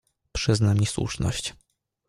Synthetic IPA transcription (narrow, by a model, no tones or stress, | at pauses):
pʂɘznamʲiswṵʂnɔ̰ɕt͡ɕ